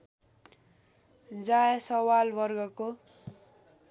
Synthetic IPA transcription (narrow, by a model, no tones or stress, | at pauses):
d͡zaesʌwalbʌrɡʌko